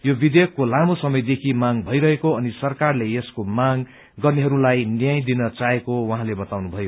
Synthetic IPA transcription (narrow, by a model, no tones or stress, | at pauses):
jobid̪ekːolamosʌmʌjd̪ekʰimaŋbʱʌjɾʌɦekoʌnisʌrkarleeskomaŋ | ɡʌrneɦʌɾulajnjajd̪inʌt͡saɦekowaɦãlebʌt̪awnubʱʌjo